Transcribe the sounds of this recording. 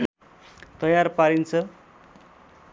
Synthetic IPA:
t̪ʌjarpaɾint͡sʰʌ

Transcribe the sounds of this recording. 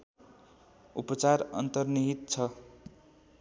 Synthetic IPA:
ṵpʌt͡sarʌ̰nt̪ʌrniɦit̪t͡sʰʌ

